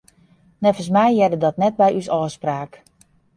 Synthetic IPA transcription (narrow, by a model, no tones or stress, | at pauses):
nɛfənsmɛjjɛdədɔtnɛt̚bɛjysɔːspraːk